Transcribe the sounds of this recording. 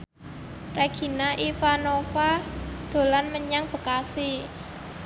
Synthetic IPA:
reɡ̥i̤naʔifanofad̪̥o̤lanməɲaŋb̥ə̤kasi

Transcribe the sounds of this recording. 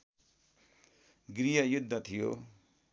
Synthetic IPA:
ɡrijʌjud̪ʱːʌt̪ʰijo̰

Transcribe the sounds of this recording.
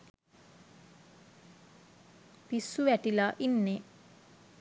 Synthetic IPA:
pisːuʋæʈilaʔinːe

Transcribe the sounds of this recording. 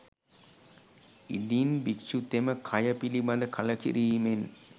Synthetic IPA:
ḭdinbikʃut̪eməkʰɐjəpilibad̪əkʰaləkḭɾiːmen

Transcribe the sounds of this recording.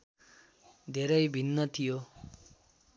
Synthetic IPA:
d̪ʱeɾʌjbʱinːʌt̪ʰijo

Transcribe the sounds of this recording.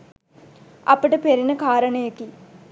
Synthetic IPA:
ɐ̰pəʈəpeɾinəkaːɾɐɳɐjeki

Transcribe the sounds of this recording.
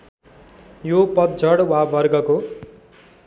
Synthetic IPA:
jopʌt̪̚d͡zʌɽwabʱʌrɡʌko

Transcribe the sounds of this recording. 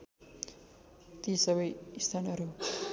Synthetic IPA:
t̪isʌβʌjist̪ʰanʌɾu

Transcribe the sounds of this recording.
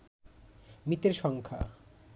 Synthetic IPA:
mit̪eɾʃɔŋkʰa̰

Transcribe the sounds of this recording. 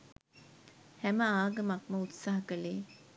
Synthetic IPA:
hæməaːɡəmɐkməut̪saːɦɐkəleː

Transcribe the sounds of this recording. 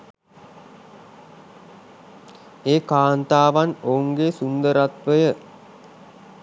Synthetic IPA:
eːkaːnt̪aːʋanouŋɡeːsund̪əɾat̪ʋəjə

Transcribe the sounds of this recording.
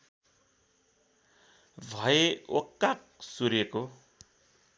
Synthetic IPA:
bʱʌjeokːak̚ | suɾjeko

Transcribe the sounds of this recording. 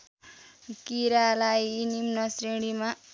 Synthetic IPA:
kiɾalajinimnʌsreɽima

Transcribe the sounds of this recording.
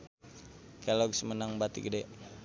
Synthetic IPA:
kɛlɔɡsmənaŋbat̪ḭɡədɛ

